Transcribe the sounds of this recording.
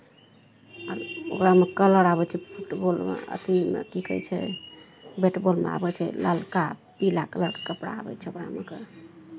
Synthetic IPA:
əɾokɾamekələɽabɛt͡ʃʰɛpʰuʈbolmḛə̰t̪imḛkikə̰jt͡ʃʰɛ̰ | beʈbolmḛa̰bɛt͡ʃʰɛ̰ləlkapilakələɽke̥kəpɽa̰ːbɛ̰t͡ʃʰɛokɾa̰meke

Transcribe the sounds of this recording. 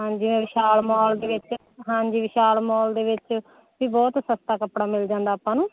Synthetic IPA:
ɦãːɲd͡ʒiːʋɛ̃ːʋɪʃaːlmɔːld̪eːʋɪt͡ʃ | ɦãːɲd͡ʒiːʋɪʃaːlmɔːld̪eːʋɪt͡ʃ | ʋiːbɔːt̪səst̪aːkəpɽaːmɪld͡ʒãːnd̪aːpːãːnũː

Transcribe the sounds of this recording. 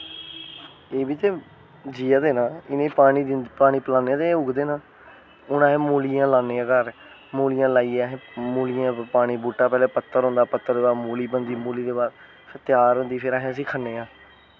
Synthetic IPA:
eːbiːt̪eː | d͡ʒiːaːd̪eːnãːɪnẽːpaːɽ̃iːd̪paːɽ̃iːpəlãːneːãːt̪eːʊɡd̪eːnãː | ʊnãːɦẽːmuːlijãːlaːneːãːkəɾ | moːlijãːlaːiːaːɦẽːmuːlijãːpaːɽ̃iːbuːʈːaːpɛːleːpət̪ːəɾɦõnd̪aːpət̪ːəɾeːaːmoːliːbənd̪iːmuːliːd̪eːbaːd̪ | sʰət̪jaːɾɦond̪iːpʰɪɾaːɦẽːəs̬ĩːkʰənːeːãː

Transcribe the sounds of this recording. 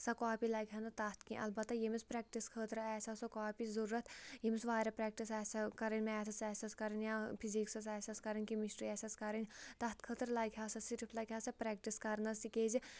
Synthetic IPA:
sɐkɔːpiːlɐɡʱʲɦɐnɐt̪ɐht̪kĩʔɐ̰lbɐt̪ːɐjemispɾɛːk̚ʈiskʰəːt̪ɾɛːsʲɐsɐkɔːpiːzɐɾuːɾɐt̪jemsʋaːɾɐpɾɛːk̚ʈisɛːsɐkɐɾɐnʲmɛːt̪ʰɐsɛːsʲɐskɐɾɐnjãpʰiziːksɐsɛːsʲɐskɐɾɐnʲkimiʃʈɾiɛːsʲɐskɐɾənʲt̪ɐt̪kʰəːt̪ɾlɐɡʱʲjaːsɐsiɾpʰlɐɡʲaːsɐpɾɛːk̚ʈiskɐɾnɐsikeːzi

